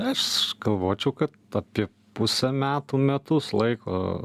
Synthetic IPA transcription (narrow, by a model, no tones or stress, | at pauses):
ɐʃɡɐlˠʋoːt͡ʃʲɛʊkɐt̪ɐpʲiɛ | pʊsʲɛmʲæːt̪umʲɛt̪ʊslˠɐɪko̰ː